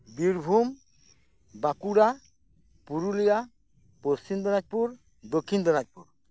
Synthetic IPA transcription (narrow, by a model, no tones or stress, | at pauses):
biɾbʱum | bakuɽa | puɾulija | post͡ɕimd̪ɔnat͡ʃ̚puɾ | d̪okʰːind̪ɔnat̚puɾ